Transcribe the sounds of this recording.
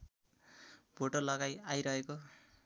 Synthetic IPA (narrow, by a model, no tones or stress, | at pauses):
bʱoʈʌrlʌɡajajɾʌɦeko